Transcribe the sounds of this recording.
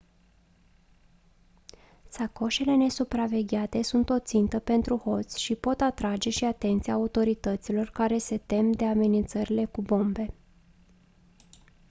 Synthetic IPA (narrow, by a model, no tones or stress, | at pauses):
sako̞ʃele̞ne̞supɾave̞ɡʲat̪e̞sunt̪o̞t̪sint̪əpe̞nt̪ɾuho̞t̪sʲʃipo̞t̪at̪ɾad͡ʒe̞ʃiat̪e̞nt̪siaut̪o̞ɾit̪ət̪silo̞rkaɾe̞se̞t̪e̞md̪e̞ame̞nint̪səɾile̞kubo̞mbe̞